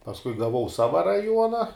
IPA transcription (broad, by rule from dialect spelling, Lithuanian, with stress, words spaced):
pɐsˈkʊɪ ɡɐˈʋɐʊ ˈsɑːʋɐ rɐˈjuɔnɐ